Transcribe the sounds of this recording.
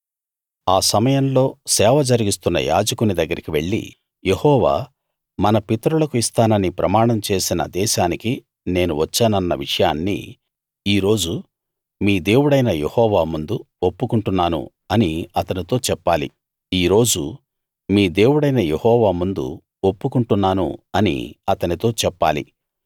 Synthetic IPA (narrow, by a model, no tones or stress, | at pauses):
aːsɐmɐjɐmlo̞ːsɛːʋɐd͡ʒɐɾiɡist̪unːɐ̰ja̰ːd͡ʒɐkunid̪ɐɡːɐɾikiʋe̞ɭːḭ | je̞hɔːʋa̰ː | mɐnɐpit̪ɐɾulɐkuist̪aːnɐnipɾɐ̰maːɳɐmt͡ʃe̞ːsinɐ̰d̪ɛːʃaːniki | ne̞ːnuʋɐt͡ʃːaːnɐnːɐʋiʂɐjaːnːḭ | iːɾo̞ːd͡ʒu | miːd̪e̞ːwuɽɐjnɐjehɔːʋaːmund̪u | opːukuɳʈunːaːnṵ | ɐniɐt̪ɐnit̪o̞ːt͡ʃɛpːaːlḭ | iːɾo̞ːd͡ʒu | miːd̪e̞ːwuɽɐjnɐje̞hɔːʋaːmund̪ṵ | opːukuɳʈunːaːnṵɐnḭɐt̪ɐnit̪o̞ːt͡ʃɛpːaːlḭ